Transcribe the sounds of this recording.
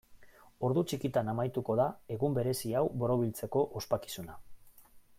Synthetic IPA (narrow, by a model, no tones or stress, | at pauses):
o̞ɾðut͡ʃikit̪anamajt̪uko̞ðae̞ɣumbe̞ɾe̞siawbo̞ɾo̞β̞ilt͡se̞ko̞ʔospaki̥suna